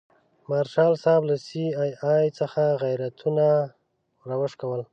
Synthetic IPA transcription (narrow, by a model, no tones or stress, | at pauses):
maɾʃɑlsɑblasiɑjɑjt͡səxaɣajɾat̪ʰuna | ɾawəʂkawəl